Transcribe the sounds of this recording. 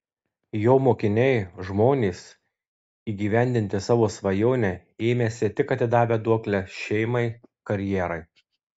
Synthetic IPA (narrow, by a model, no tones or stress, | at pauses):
joːmoːkʲɪnʲɛɪʒmoːnʲeːs | iːɡʲiːʋʲæˑnʲd̪ʲɪnʲt̪ʲɪsɑːʋoːsʋɐjoːnʲɛeːmʲeːsʲɪt̪ʲɪkɐt̪ʲɪd̪ɑːʋʲɛd̪uɔklʲɛʃʲɛɪmɐɪkɐɾʲjɛːɾɐɪ